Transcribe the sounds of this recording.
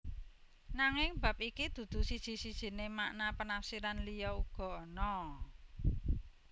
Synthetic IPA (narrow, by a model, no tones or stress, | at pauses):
naŋɪŋbä̤p̚ikid̪̥ṳd̪̥ṳsid̥ʒ̥i̤sid̥ʒ̥i̤nemaʔnapənafsiɾanlijɔuɡ̥ɔ̤nɔ